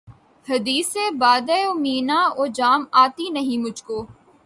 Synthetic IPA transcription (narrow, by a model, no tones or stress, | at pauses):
hɐd̪iːseːbaːd̪ɛoːmiːnaːoːd͡ʒaːmaːt̪inɐɦĩmʊd͡ʒʱkoː